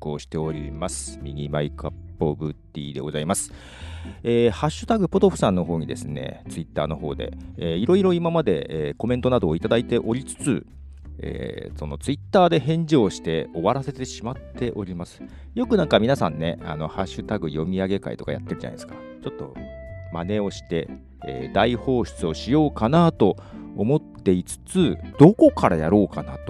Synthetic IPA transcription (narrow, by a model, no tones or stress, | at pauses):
ko̰ːɕi̥t̪e̞o̞ɾʲimasɨ̥mʲiɡʲimaikapːo̞bɯt̪ʲːḭːd̪e̞ɡo̞zaimasɨ̥ | eːhaɕːɨ̥t̪aɡɯ̟po̞t̪o̞ɸɯ̟̥sãnːo̞ɦo̞ːɲ̟id̪e̞̰sɨne̞̰t͡sɨit̪ːa̰ːno̞ho̞̰ːd̪e̞̰eːiɾo̞iɾo̞imamad̪e̞̰eːko̞ment̪o̞nad̪o̞ːit̪ad̪ait̪e̞ʔo̞ɾʲit͡sɨ̥t͡sɨ | ḛːso̞no̞t͡sɨit̪ːaːd̪e̞hẽ̞ɲ̟d͡ʑoːɕi̥t̪e̞o̞βaɾase̞t̪e̞ɕimat̪ʰːe̞ʔo̞ɾʲimasɨ̥ | jo̞kɯ̟nãŋkamʲinasã̰nːe̞̰a̰no̞haɕɨt̪aɡɯ̟jo̞mʲiaɡe̞ka̰ḭt̪o̞kaja̰t̪ːe̞ɾɯ̟d͡ʑa̰na̰d̪eskḁ | t͡ɕo̞t̪ːo̞̰mane̞o̞ɕi̥t̪e̞ | ḛːd̪aiho̞ːɕt͡sɨo̞ɕijo̞ːkanat̪o̞ːmo̞t̪ːe̞it͡sɨ̥t͡sɨd̪̥o̞ko̞kaɾajaɾo̞ːkanat̪o